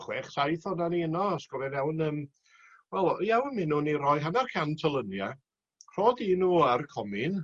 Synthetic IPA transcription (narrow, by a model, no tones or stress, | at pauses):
χwɛχsajθɔnaniənɔaskɔvɛnɛwnəːm | wɛlˠjɛwnmɪnunirɔjɦanarkʰantʰɔlˠənja | r̥ɔdiːnuːarkʰɔmɪn